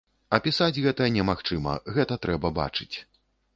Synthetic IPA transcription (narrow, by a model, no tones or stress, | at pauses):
ɐpʲisad͡zʲɣɛt̪ɐjɐnʲɛmaxt͡ʂɨmɐ̰ɣɛt̪ɐt̪ɾʔɛbɐba̰t͡ʂɨt͡sʲ